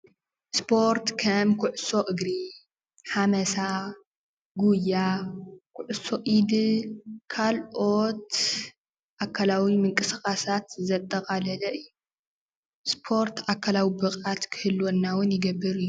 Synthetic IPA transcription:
spʰo̞ɾt̪kʰɐmkʰʊʕʊso̞ʔɨɡɾi | ħamɐsa | ɡujakʰʊʕʊso̞ʔid̪ɨkʰalʔo̞t̪ | ʔakʰːalawimɨŋkʼɨsxʼasat̪zɐt̪ʼːɐkʼalɐlɐʔɨjːu | spʰo̞ɾt̪akʰːalawibɨkʼat̪kʰɨ̥hɨlwonːawʊnjɪɡɐbːɨɾɨjːu

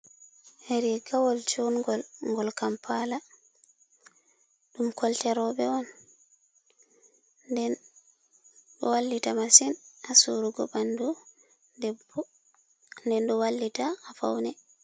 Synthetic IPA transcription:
heɾiɡawɔlt͡ʃoŋɡɔlŋɡɔlkampʰala | ɗumkɔltɛɾɔɓɛɔn | dɛn | ɗɔwalːitamasinasuɾuɡɔbandu | ɛb | ndɛnɗɔwalːitaːfa̰wnɛ

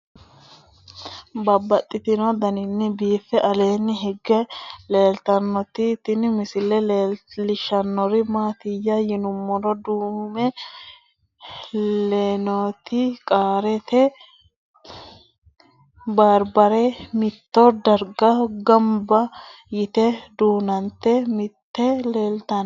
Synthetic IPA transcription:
bɐbːɐt̪ʼːɪt̪ɪnod̪ɐnɪnːɪbiːfːɛʔɐle̞ːnːɪɦɛɡːɛle̞ːlt̪ɐnːɔt̪ɪt̪ɪnɪmɪsɪlɛlellɪʃɐnːɔɾɪmaːt̪ɪjːɐjɪnʊmːɔɾɔd̪uːmɛ | leːnoːt̪ikʼaːɾɛt̪ɛ | baːɾbɐɾemɪt̪ːoːd̪ɐɾɡɐɡɐmbɐ | jɪt̪ɛd̪uːnɐnt̪ɛmɪt̪ːɛleːlt̪ɐn

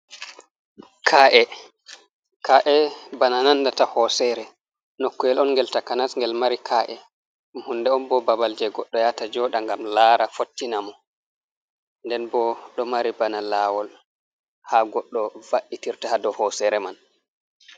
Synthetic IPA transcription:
kʰaʔɛ | kʰaʔɛbananandatahɔsɛɾɛ | nokːujɛlɔnŋɡɛltakanasŋɡɛlmaɾikʰaʔɛ | mhundɛɔnbɔbabald͡ʒɛɡɔɗːɔjatad͡ʒɔɗaŋɡamlaɾafotːinamɔ | ndɛnbɔɗɔmaɾibanalawɔl | haɡɔɗːɔvaʔitiɾtahadɔhɔsɛɾɛman

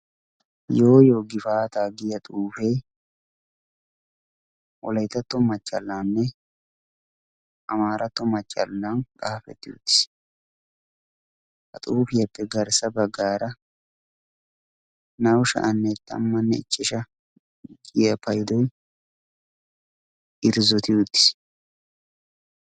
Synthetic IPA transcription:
jo̞ːjo̞ːɡɪfaːt̪aːɡɪjɐt̪ʼuːfe | ʔɔlɐjt̪ːɐt̪ːɔmɐt͡ʃʼːɐlːaːnːɛ | ʔɐmaːɾʔɐt̪ːɔmɐt͡ʃʼːɐ̰lːankʼaːfɛ̰t̪ːɪṵt̪ːɪ̥s | hɐ̰t̪ʼuːfɪjɐpːɛɡɐɾsɐbɐɡːaːɾɐ | nɐwʃɐ̰ʔɐnːɛt̪ːɐ̰mːɐnːɛɪt͡ʃʼːɪʃɐ | ɡɪjɐpʰɐjd̪ɔj | ʔɪɾzɔt̪ɪud̪ːɪ̥s

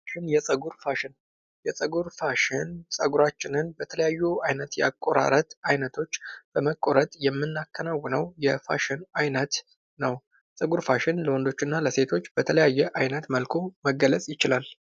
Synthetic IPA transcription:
ʃɪnjɛsʼəɡuɾfaʃɪn | jɛsʼəɡuɾfaʃɪnsʼəɡuɾat͡ʃːɪnɨnbət̪ʰələjajːuajnət̪jɛa̰kʼːo̞ɾa̰ɾət̪ajnət̪ʰo̞t͡ʃːb̥əməkʼːo̞ɾət̪ʼjɛmːɨnːakːənawːənəwjɛfa̰ʃɪnajnət̪ | nəw | sʼəɡuɾfaʃɪnləwɔnd̪o̞t͡ʃːɨnːaləse̞t̪ʰo̞t͡ʃːbət̪ʰələjajːɛʔajnət̪məlkʰoməɡːələt͡sʼjɪt͡ʃɪlal

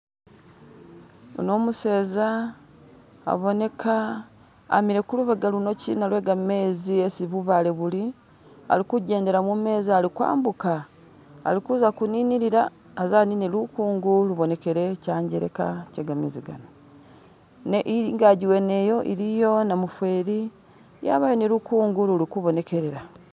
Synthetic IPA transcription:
o̰no̞ːmuse̞ːza | βo̞ne̞kʰa̰ː | miɾe̞kuluβaɡaluno̞cḭnalwe̞ːɡame̞ːziesiβuvale̞βuli | a̰likuɟe̞ːnde̞ɾamume̞ːzialikwa̰ːmbuka̰ː | likuzakuniːniɾiɾaː | zaːninilukuːŋɡuluβo̞ne̞ke̞ɾe̞caːɲɟeɾe̞̰ka̰ceːɡameːziɡa̰no | neʔiŋɡaɟiwe̞ne̞jo̞ʔḭɾijo̞namufwe̞ːɾi | ja̰ːβajo̞nilukuːŋɡululikuβo̞ne̞ke̞ɾe̞ɾa

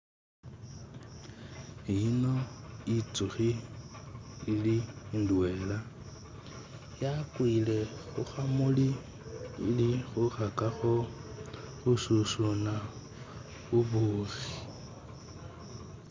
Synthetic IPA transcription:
inoit͡sʼuɣi | lin̩duweːla | jakʼwilɛɣuxamuliː | liɣuχakʼaɣɔ | ɣususuna | uβuːɣi

